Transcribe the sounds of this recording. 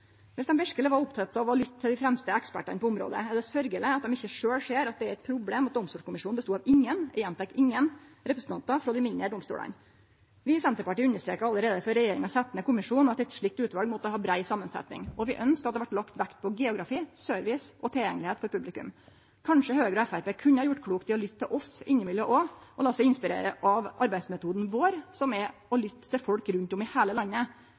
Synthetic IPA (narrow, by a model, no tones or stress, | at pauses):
ʋɛlsd̪ɛmʋɛʂkələʋɑɾʊpt̪ʰɑt̪ːɑʋɑlʏt̪ʰːɪld̪ɪfɾɛmst̪əɛkspæ̰ʈːɑnəpɔʊmɾo̰ːd̪ə̰ɛd̪ɛsœɾɡələɑt̪d̪ɛmɪçːəʂøːlʂeːɾɑt̪̚d̪ɛæɾɛt̪̚pʰɾʊbleːmɑt̪̚d̪ɔmst̪uːkʊmɪʂuːnbəst̪uːɑʋɪŋːənɛɛnt̪ɛkɪŋːənɾɛpɾəsn̩t̪ɑnt̪ɑfɾɔd̪ɪmɪnəɖ̪ɔmst̪ṵːɽɑ̰n | ʋɪsɛnt̪əɾpɑʈiːʉɲnəʂt̪ɾḛːkəɾɑlːəɾeːd̪əfɔɾɛjeːɾɪŋɑsɛt̪ːənəkʊmɪʂuːnɑt̪ːɛt̪ʂɭɪk̚t̪ʉːt̪ʋɑlɡmɔt̪ːəhɑːbɾæɪsɑmːənsɛ̰t̪nɪ̰ŋɔʋɪʔœnskəɑt̪d̪ɛʋæʈːlɑkt̪ʋækt̪̚pʰɔɡɛʊɡɾɑfiːsøːɾʋɪsʔɔt̪ʰɪljɛŋːəlɪheːt̪pʰɔpʰʉblɪkʉ̰m | kʰɑnʂəhøːɡɾɔɛfæɾpeːkʰʉnːəhɑɾjʊʈːkʰɽuːkt̪ɪlɔlʏt̪ʰːɪlʔɔsɪnːəmɪljəʔɔʔɔlɑːsɛɪnspɪɾḛːɾəʔɑʋʔɑɾbæɪsmɛt̪ʰuːd̪n̩ʋoːɾsɔmɛɔlʏt̪ːt̪ːɪfɔlkɾʉnt̪ʊmɪheːləlɑnːə